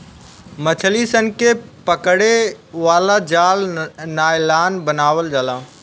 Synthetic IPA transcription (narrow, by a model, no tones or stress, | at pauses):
mɐt͡ɕʰəlisənkepɐkəɽe | ʋaːlad͡ʑaːlnaːɪlaːnbənaːʋəld͡ʑaːlãː